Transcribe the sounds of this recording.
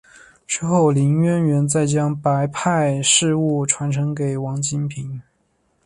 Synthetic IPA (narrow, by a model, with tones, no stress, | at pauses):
ʈ͡ʂɻ̩˥˧xo˥˩ʊli˧˥ŋɥɛ˥nɥɛ˧˥nt͡sa˥˩ɪt͡ɕjɑ˥ŋpa˧˥ɪpʰa˥˧ɪʂɻ̩˥˧u˥˩ʈ͡ʂʰwa˧˥nʈ͡ʂʰɤ˧˥ŋke˨˩ɪwɑ˧˥ŋt͡ɕi˥npʰi˧˥ŋ